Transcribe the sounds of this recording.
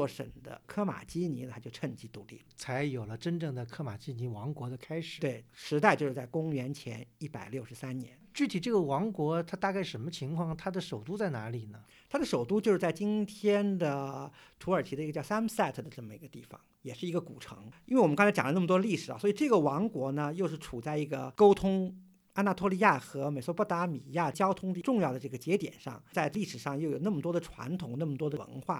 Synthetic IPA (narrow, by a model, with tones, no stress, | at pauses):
ɔ˥˩ʂə̰˨˩nd̪ə̰˦kʰɤ˥ma̰˨˩t͡ɕi˥ni˧˥nə˧a˥jo˥˧ʊʈ͡ʂʰə˥˩ŋt͡ɕi˧˥t̪ṵ˧˥lḭ˥˩lt͡sʰa˧˥ɪjo˨˩ʊlə˦ʈ͡ʂə˥nʈ͡ʂɤ˥˩ŋd̪ə˩kʰɤ˥ma˨˩t͡ɕi˥ni˧˥wɑ˧˥ŋkwɔ˧˥d̪ə˧kʰa˥ɪʂɻ̩˨˩we˥˩ɪʂɻ̩˧˥t̪a˥˧ɪt͡ɕo˥˧ʊʂɻ̩˥˧t͡sa˥˩ɪkʊ˥ŋɥɛ˧˥nt͡ɕʰjɛ̰˧˥ni˥˩pa˨˩ɪljo˥˩ʊʂɻ̩˧˥sa˥nnjɛ̰˧˥nt͡ɕy˥˩t̪ʰi˨˩ʈ͡ʂɤ˥˩ɡə˩wɑ˧˥ŋkwɔ˧˥t̪ʰa˥t̪a˥˧ka˥˩ɪʂə˧˥nmə˧t͡ɕʰi˧˥ŋkʰwɑ˥˩ŋt̪ʰa˥d̪ə˨ʂo˨˩ʊt̪u˥t͡sa˥˩ɪna˧˥li˨˩nə˩ | t̪ʰa˥d̪ə˨ʂo˨˩ʊt̪u˥t͡ɕjʊʂɻ̩˥˩t͡sa˥˩ɪt͡ɕi˥nt̪ʰjɛ˥nd̪ə˨t̪ʰu˧˥ə˞˨˩t͡ɕʰi˧˥d̪ə˧i˧ɡə˧t͡ɕjɑ˥˧ʊsa˥msa˥˩ɪt̪ʰə˩d̪ə˩ʈ͡ʂɤ˥˩mə˩ḭ˧˥ɡə˧t̪ḭ˥˩fɑ̰˩ŋjɛ˨˩ʂɻ̩˥˩i˧˥ɡə˧ku˨˩ʈ͡ʂʰɤ̰˧˥ŋi˥n˥e˩wɔ˨˩m̩˦˥kŋt͡sʰjɑ̰˨˩ŋlə˦n˥˩ə˩t̪w̪ə˧li˥˩ʂɻ̩̰˨˩˧swɔ˧˥i˨˩ʈ͡ʂɤ˥˩ɡə˩wɑ˧˥ŋkwɔ˧˥nə˧jo˥˧ʊʂ̬ɻ̩˥˩ʈ͡ʂʰu˨˩t͡sa˥˩ɪi˧˥ɡə̰˧ko˥ʊt̪ʰʊ˥ŋ | a˥na˥˧t̪ʰwɔ˥˧li˥ja˥˩xɤ˧˥me˨˩ɪswɔ˧˥pɔ˥t̪a˧˥mḭ˨˩ja˥˩t͡ɕjɑ˥ʊt̪ʰʊ˥ŋd̪ə˧˥ʈ͡ʂʊ˥˧ŋjɑ˥˩ʊd̪ə˩ʈ͡ʂɤ˥˩ɡə˩t͡ɕjɛ˧˥t̪jɛ̰˨˩nʂɑ̰˥˩ŋt͡sa˥˧ɪli˥˩ʂɻ̩˨˩ʂɑ˥˧ŋjo˥˩ʊjo˨˩ʊna˥˩mə˩t̪wɔ˥d̪ə˨ʈ͡ʂʰwa̰˧˥nt̪ʰʊ˨˩˦ŋna˥˩mə˩t̪wɔ˥d̪ə˧wə̰˧˥nxwa̰˥˩